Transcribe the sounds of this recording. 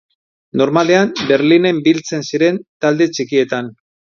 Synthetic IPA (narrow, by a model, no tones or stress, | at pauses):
no̞ɾmale̞ambe̞ɾline̞mbilt͡se̞nsiɾe̞nt̪ald̪e̞t͡ʃikie̞t̪an